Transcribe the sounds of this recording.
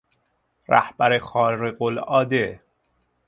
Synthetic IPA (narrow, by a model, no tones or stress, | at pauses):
ɾæ̰hb̥æɾexɒːɾeɢolɒːd̪e